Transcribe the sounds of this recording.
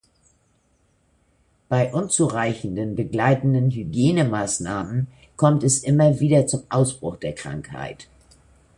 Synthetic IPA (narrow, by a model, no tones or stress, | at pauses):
b̥aɪʔʊnt͡suʁaɪçn̩dənbəɡlaɪtn̩dənɦyɡjeːnəmaːsnaːmən | kʰɔmtɛsʔɪmɐviːdɐt͡sʊmʔaʊsb̥ʁʊxd̥eːɐkʁ̥a̰ŋkha̰ɪt